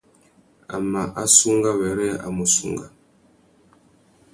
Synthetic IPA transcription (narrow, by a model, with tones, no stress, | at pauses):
a̰˨ma˨ʔa˦su˦ŋɡa˦wɛ˨ɾɛ˦a̰˨mu˨sṵ˦ŋɡa˨